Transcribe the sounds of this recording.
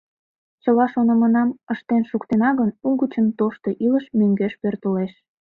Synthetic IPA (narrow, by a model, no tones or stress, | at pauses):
t͡ɕəlɑʃonə̆mənɑməʃt̪enʃukt̪enɑɣənuɡət͡ɕənt̪oʃt̪oʔiləʃmøŋɡeʃpørt̪əleʃ